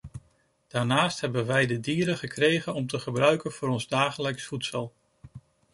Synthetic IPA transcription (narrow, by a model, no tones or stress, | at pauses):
d̥aːɹnaːstɦɛbənʋɛjdədiːɾəχəkrejχənɔmtəχəbrœɥkənv̥ʊːɾɔnzdaːχələksfutsəlˠ